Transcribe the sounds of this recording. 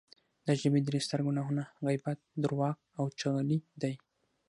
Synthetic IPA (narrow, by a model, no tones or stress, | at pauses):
d̪əʒəbed̪ɾest̪aɾɡunɑɦunaɣajbat̪̚d̪ʊɾwɑq̚ | awt͡ʃaɣalid̪aj